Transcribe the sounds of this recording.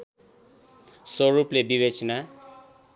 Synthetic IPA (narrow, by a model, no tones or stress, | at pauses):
soɹuplebibet͡ʃɔna